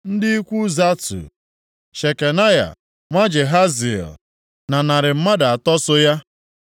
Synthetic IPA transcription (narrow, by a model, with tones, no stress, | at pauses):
n̩˦dɪ˦i˦kʷu˦za˦tṵ˨ | ʃe˨ke˨na˦ja̰˨ | ŋʷa˦d͡ʒe˨ɦa˦zi˨ɛ̰˨l | na˨na˨ɾɪ˨m̩˦ma˦da˨a˨tɔ˦sʊ˦ja˦